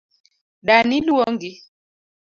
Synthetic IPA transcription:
ɗaniluwɔŋɡi

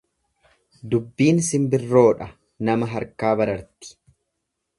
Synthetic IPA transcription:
d̪ʊbːiːnsɪmbɪrːo̞ːᶑɐ | nɐmɐɦɐɾkaːbɐɾɐɾt̪ɪ̥

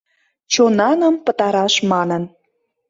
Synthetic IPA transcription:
t͡ɕonɑnə̆mpə̆t̪ɑɾɑʃmɑnə̆n

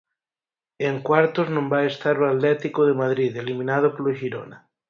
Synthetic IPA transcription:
eŋkwaɾt̪oznõmbaest̪aɾoat̪lɛt̪ikoðemað̞ɾiðeliminað̞opoloʒiɾo̰na

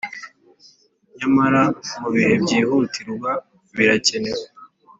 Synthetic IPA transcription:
ɲamaɾamuβihe̞bɟiːhutiɾɡa | βiɾace̞ne̞w

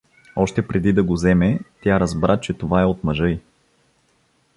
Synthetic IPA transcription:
ɔʃt̪ɛpɾɛd̪id̪ɐɡozɛmɛt̪ʲjaɾɐzbɾat͡ʃɛt̪ovaɛot̪mɐʒɤj

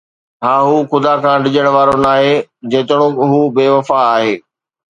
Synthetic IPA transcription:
ɦãːɦuːxʊd̪akʰãːɖɪd͡ʑəɽ̃ʋaːɾonaːɦed͡ʑeːt̪ɪɽ̃õɦuːbeːʋɐfaaːɦeː

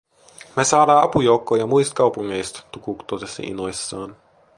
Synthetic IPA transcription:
mesɑːɾɑːɑpujowkːoːjɑmujst̪̚kɑwpuŋːejst̪t̪ukuːkt̪ot̪esːɑ̰ʔḭnojsːɑːn

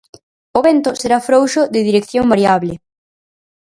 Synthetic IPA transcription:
oβɛnt̪ʊseɾafɾowʃʊðɪðiɾekθjoŋbaɾjaβlɪ

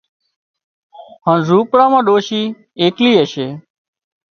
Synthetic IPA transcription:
ɦãːnzuːpɽãːmãːɗoːʃiː | eːkliːəʃeː

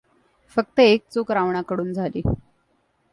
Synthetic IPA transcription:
fək̚t̪əek̚t͡sukɾaʋɳakəɽuːnd͡zʱalḭː

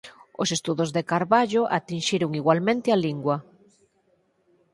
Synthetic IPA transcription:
osest̪uðozðekaɾβaʎʊʔa̰t̪inʃiɾʊŋiɣwalmẽnt̪ɪaliŋɡwa

